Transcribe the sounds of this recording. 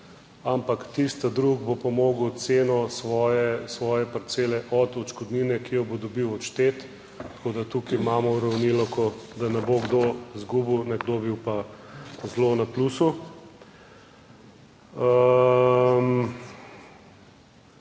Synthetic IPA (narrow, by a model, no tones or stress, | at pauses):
ampakt̪ist̪ad̪ɾuɡbopɔmoːɡwt̪seːnɔsʋɔːjɛsʋɔːjɛpaɾt̪seːlɛʔɔd̪ɔt͡ʃkɔd̪ninɛkijɔbod̪ɔbiwɔʃt̪et̪ | t̪kod̪at̪ukiimaːmɔuɾɐwnilɔkɔd̪anɛboɡd̪ozɡubiwnɛɡd̪obiwpazlonaplusu | ə | m